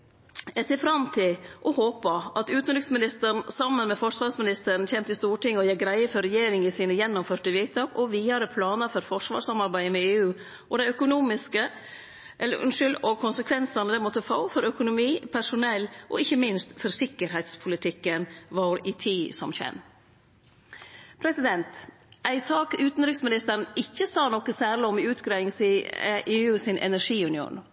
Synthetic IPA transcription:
ɛt̪ɪfɾɑmt̪ʰɪlʔɔhoːpɑʔɑt̪ʉːt̪nɾʏksmɪnɪst̪əɾɳsɑmːənmɛfɔʂʋɑːɾsmɪnɪst̪əɾn̩çɛːmt̪əɪst̪uːʈɪŋːəɔjɛɡɾæɪəfɔɾɛjeːɾɪŋɪsiːnəjɛnːɔmføːʈəʋiːt̪ʰɑːkɔʋiːɑɾəpʰlɑːnəɾfɔɾfɔʂʋɑ̰ːʂsɑmɑɾbæɪmɛeːʉː | ʔɔd̪æɪœkʊnuːmɪskə | ʔɛlːə̰ɾʉ̰nʂʏlɔkʰʊnsəkʰʋɛnsɑnəd̪ɛmɔt̪ːəfɑːfɔɾœkʊnʊmiːpʰæʂʊnɛlːʔɔ̰ɪçːəmɪnst̪fɔɾsɪkːəɾɦæɪt̪spʰʊlɪt̪ʰɪkːənʋɑɾɪt̪ʰiːsɔmçɛ̰nː | pʰɾɛsɪd̪ɛnt̪ | ʔæɪsɑːkʉːt̪n̩ɾʏksmɪnɪst̪əɾɳ̩ɪçːəsɑːnɔkːəsæːɾɭɪɔmʉːt̪ɡɾɑɪɪŋsɪʔeːʉːsɪnʔɛ̰næʂiːʉnɪṵːn

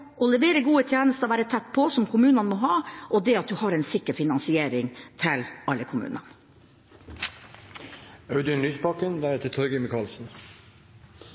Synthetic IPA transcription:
ɔlɛʋeːɾəɡuːət̪ʰjæːnəst̪əʋæːɾət̪ʰɛt̪ːpʰɔsɔmkʰʊmʉːnɑnmoːɦɑːʔɔd̪ɛɑt̪̚d̪ʉhɑːɾɛnsɪkːəɾfɪnɑnsɪeːɾɪŋt̪ʰɪlɑlːəkʰʊmʉ̰ːnɑ̰n | ɑʉd̪ənlyːspɑkənbæːɾət̪ʰɪt̪ʰɔɾɡəmɪkʰɑːlsn̩

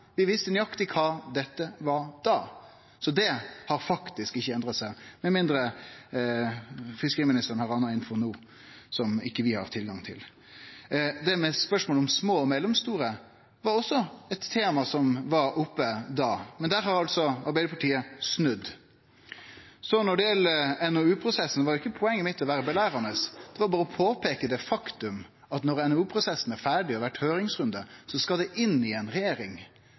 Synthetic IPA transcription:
bɪʋɪst̪ənʏɑkt̪ɪkʰɑːd̪ɛt̪ːəʋɑɾd̪̥ɑː | sɔd̪ɛhɑɾfɑkt̪ɪskɪçːəɛnd̪ɾɑt̪sæɪmɛmɪnd̪ɾə | fɪskəɾiːmɪnɪst̪əɾnhɑʁɑnːɑɪnfɔɾnuː | sɔmɪ̰kːəʋɪhɑ̰ʁt̪ʰɪlɡɑŋt̪ʰɪ̰l | d̪ɛmɛspœʂmoːlɔmsmoːɔmɛlːɛmst̪uːɾə | ʋɑɾɔsːɔɛt̪ʰːeːmɑsɔmʋɑɾʊpːəd̪ɑːmɛnd̪æɾhɑɾɑlt̪sɔɑɾbæɪəpʰɑʈʰiːəsnʉd̪ | sɔnɔɖɛjɛləɛnɔʉːpʰɾʊsɛsːn̩ʋɑɾjʊɪkːəpʰɔɛŋːəmɪt̪ʰːɔʋæːɾəbɛlæːɾɑnəsd̪̥ɛʋɑɾbɑːɾəɔpʰoːpʰeːkəd̪ɛfɑkt̪ʉm | ɑt̪nɔɾɛnɛʉːpʰɾʊsɛsːnæɾfæːɖɪɔʋæʈhøːɾɪŋsɾʉnd̪əsɔskɑld̪ɛʔɪnːɪɛnɾɛjeːɾɪŋ

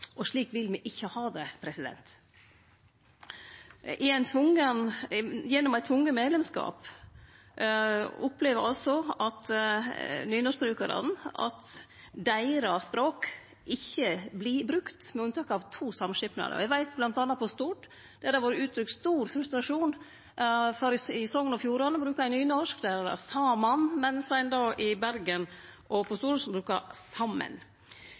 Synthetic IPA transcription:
ʔɔʂɭiːkʋɪlmɛʔɪçːəhɑːd̪ɛpʰɾɛsɪd̪ɛ̰nt̪ | ɪæɪnt̪ʰʋʊŋːənjɛnːɔmæɪt̪ʰʋʊŋːəmeːd̪lɛmskɑ̰ːp | ʊpleːʋəɾɑlsɔɑt̪ | nyːnɔsbɾʉːkəɾɑ̰d̪n̩ɑ̰t̪ | d̪æɪɾɑspɾoːk | ʔɪçːəbliːbɾʉkt̪mɛʉnət̪ʰɑːkɑʋt̪ʰuːsɑmʂɪpnɑ̰d̪̰ɔ̰æʋæɪt̪blɑnt̪ɑnːɑpɔst̪uːʈ | d̪̥ɛd̪æɾʋoːɾəʉːt̪ʰɾʏkst̪uːɾfɾʉst̪ɾɑʂuːn | fɔɾɪsɔŋːənɔfjuːɾɑnbɾʉːkɑæɪnyːnɔʂklæɾɾɑ̰sɑːmɑnmɛnsæɪnd̪ɑːʔɪbæɾɡənʔɔpʰɔst̪uːɾəsbɾʉːkɑsɑmːə̰n

